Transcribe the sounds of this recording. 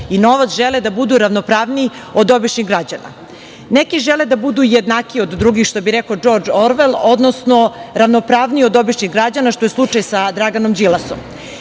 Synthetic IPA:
ino̞ʋat̪sʒeled̪abud̪uɾaʋnopɾaːʋnii | od̪o̞biʃniɣɡɾad͡ʑana̰ | nekiʒeled̪abud̪ujed̪naːkio̞d̪ːɾuɡixʃt̪o̞biɾekad͡ʒo̞ɾd͡ʒoɾʋelˠo̞d̪no̞sno̞ɾaʋnopɾaːʋniiod̪o̞biʃɲiɣɡɾad͡ʑanaʃt̪ojeslˠut͡ʂajsad̪ɾaɡano̞md͡ʑilaso̰m

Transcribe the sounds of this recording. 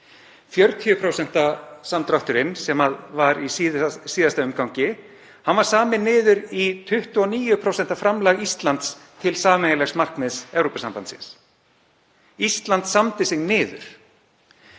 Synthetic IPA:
fjœɾt̪ʰiʏpʰɾowsɛn̥t̪asamt̪ɾawht̪ʏɾɪnsɛmaðvaɾisisiːðast̪aʏmkawɲcɪ | hanvaɾ̥saːmɪnːɪːðʏɾit̪ʰʏht̪ʏɔniːjʏpʰɾowsɛn̥t̪afɾamlaɣist̪lant̪st̪ʰɪlsaːmnɛjalɛxsmar̥knɪðsɛvɾopasampant̪sɪ̰ns | ist̪lant̪samt̪ɪsɪɣnnɪːðʏ̰ɾ̥

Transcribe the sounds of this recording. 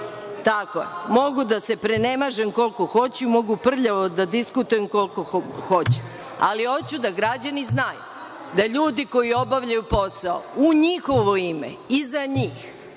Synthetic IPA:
t̪akoḛmo̞ɡud̪ase̞pɾene̞maʒemko̞lko̞xo̞t͡ɕuimo̞ɡupr̩ʎaʋod̪ad̪iskut̪ujemkolkooxo̞t͡ɕu̥ | a̰lio̞t͡ɕud̪aɡɾad͡ʑaniznajṵ | d̪aʎuːd̪iko̞jio̞baʋʎajupo̞sao̰uɲixo̞ʋo̞imḛizaɲiːx

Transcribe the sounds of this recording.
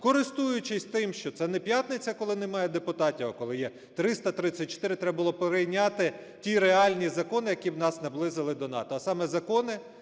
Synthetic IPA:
kɔɾɪst̪ujʊt͡ʃɪsʲt̪ɪmʃt͡ʃɔt̪sɛnɛpʲjat̪nɪt͡sʲɐkɔlˠɪnemɑjɛd̪epʊt̪ɑtʲiwɐkɔlˠɪjɛ | t̪ɾɪst̪ɐt̪ɾɪt͡sʲːɐt̚ʲt͡ʃɔ̥t̪ɪɾɪt̪ɾɛbɐbʊlˠɔpeɾɪjnʲat̪ɪ | tʲiɾeɑlʲnʲizɐkɔnɪjɐkʲiwnɑsnɐblˠɪzɪlˠɪd̪ɔnɑ̰t̪ɔɐsɑmɛzɐkɔnɪ

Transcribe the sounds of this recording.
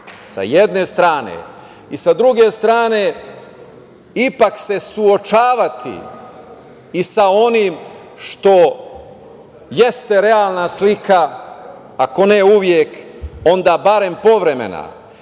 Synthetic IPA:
sa̰jed̪ne̞st̪ɾaːnḛ | isad̪ɾuɡe̞st̪ɾaːne̞ | ipakse̞suot͡ʃaːʋat̪ḭ | isao̞nim | ʃt̪o̞ | je̞st̪e̞ɾe̞aːlˠnaslikaː | ko̞neuʋjeko̞nd̪aːbaɾe̞mpo̞ʋɾe̞me̞̰na̰

